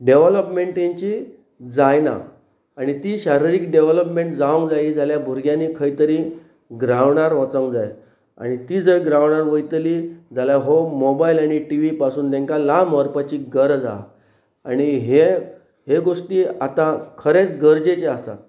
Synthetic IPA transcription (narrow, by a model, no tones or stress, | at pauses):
ɖeʋləpmeɳʈẽɲt͡ɕi | d͡zajna̰ | aɽ̃it̪iːɕaɾiɾikɖeʋləpmẽɳʈd͡zaʋəŋkd͡zajid͡zaljabʱuɾɡjaniːkʰəit̪əɾi | ɡɾaʋɳaɾʋət͡səŋkd͡zaj | a̰ɽ̃it̪iːd͡zəɾɡɾaʋɳaɾʋəjt̪lid͡zaljaɦomobailaɽ̃iʈiʋipasuːnt̪ẽŋkalaməɾpat͡ɕiːɡəɾd͡za̰ | aɽ̃iɦe | ɦeɡoʂʈiːat̪akʰəɾet͡sɡəɾd͡ʑet͡seasa̰t̪